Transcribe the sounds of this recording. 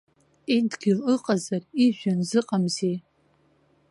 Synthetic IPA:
edɡʲɪlɨqʼazariʒᶣanzɨqʼamze

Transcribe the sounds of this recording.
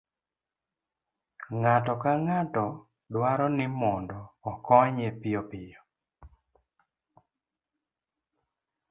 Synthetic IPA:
ŋatɔkaŋatɔ | dwaɾɔnɪmɔndɔːkɔɲepɪjɔpɪjɔ

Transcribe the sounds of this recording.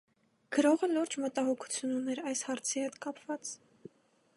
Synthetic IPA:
kəɾɔʁəluɾd͡ʒmət̪ɑhɔkʰu̥t͡sʰjununɛɾɑjshɑɾt͡sʰihɛt̪kɑpvɑt͡s

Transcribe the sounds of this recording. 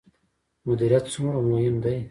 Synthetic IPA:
mʊd̪iɾijat̪sumɾamohɪmd̪aj

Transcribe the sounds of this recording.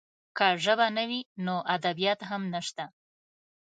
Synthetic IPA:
kaʒəbanəwinoʔad̪abijɑt̪ɦamnaʃt̪a

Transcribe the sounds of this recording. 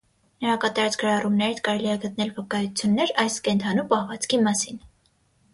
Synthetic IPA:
nəɾɑkɑt̪ɑɾɑt͡sɡ̥əɾɑrumnɛɾit͡sʰkɑɾɛliɛɡət̪nɛlvəkɑjut͡sʰjunːɛɾɑjskɛnt̪ʰɑnupɑhvɑt͡skʰimɑsin

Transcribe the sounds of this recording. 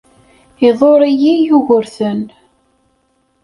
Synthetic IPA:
iðˤoɾˤijijuʝəɾθən

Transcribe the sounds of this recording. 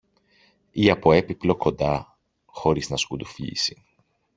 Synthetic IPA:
iɐpo̞e̞piplo̞ko̞nd̪ɐ | xo̞ɾiznɐskud̪ufʎḭsi̥

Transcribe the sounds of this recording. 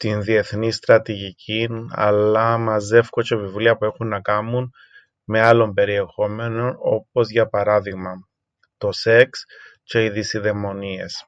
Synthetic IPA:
t̪inðie̞θnist̪ɾɐt̪iʝicʰinɐ̰lːɐmɐze̞fkot͡ʃe̞vivliɐpue̞xunːɐkɐmun | me̞ɐlo̞mpe̞ɾie̞xo̞me̞no̞no̞̰p̚o̞zʝɐpɐɾɐðiɣmɐ | t̪o̞se̞ksce̞iðisiðe̞mo̞nie̞s

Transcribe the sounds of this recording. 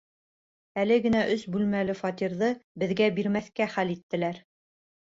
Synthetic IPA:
ælɘɡɘ̆næʔɵsbʉlmælɘfɑt̪iɾðɤbɘ̆ðɡæbiɾmæθkæχælit̪ːɘ̆læɾ

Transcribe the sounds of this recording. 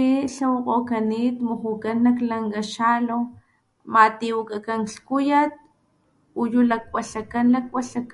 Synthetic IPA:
iɬawaqokanit̪muxukanːaklaŋɡaʃalo | mat̪iwakakaŋkɬkujat̪̚ | ojulak̚waɬakanlak̚waɬak

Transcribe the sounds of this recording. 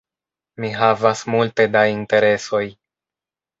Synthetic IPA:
miɦavasmulte̞dainte̞ɾe̞so̞j

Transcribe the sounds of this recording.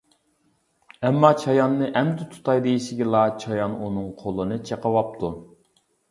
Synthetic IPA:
ɛmːɑt͡ʃʰɑjɑnːɨʔɛmd̪ɪt̪ʰu̥t̪ʰɑjd̪ejiʃɪɡʲɪlˠɑt͡ʃʰɑjɑnunɨŋqʰolˠɨnɨt͡ʃʰeqəwɑp̚t̪ʰu

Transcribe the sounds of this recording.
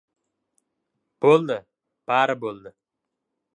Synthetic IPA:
b̥olˠd̪ɪ | b̥aɾɪbolˠd̪ɪ

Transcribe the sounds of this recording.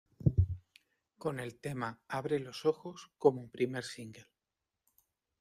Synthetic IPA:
ko̞ne̞lt̪e̞maaβ̞ɾe̞lo̞so̞xo̞sko̞moumpɾime̞ɾsiŋɡe̞l

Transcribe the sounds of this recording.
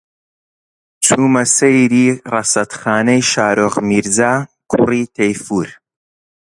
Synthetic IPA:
t͡sʰuːmɐsejɾiːrɐsɐt̪xaːnɐjʃaːɾoːʁmiːɾzaːkʰṵriːt̪ʰejfuːɾ

